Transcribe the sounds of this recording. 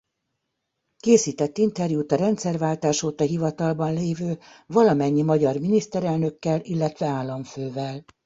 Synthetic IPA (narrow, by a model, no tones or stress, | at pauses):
keːsiːt̪ɛt̪ːint̪ɛrjuːt̪ɒɾɛnt̪sɛrvaːlt̪aːʃoːt̪ɒɦivɒt̪ɒlbɒnleːvøːvɒlɒmɛɲːimɒɟɒrminist̪ɛɾɛlnø̞kːɛlilːɛt̪ʋɛaːlːɒɱføːvɛl